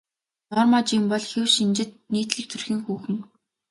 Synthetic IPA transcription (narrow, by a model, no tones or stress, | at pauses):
nɔrmat͡ɕːɪ̆mpɔɮxewʃint͡ɕɪ̆t̪̚niːt̪ɮĭk̚t̪ʰɵrxiːŋxuːxɘ̆ŋ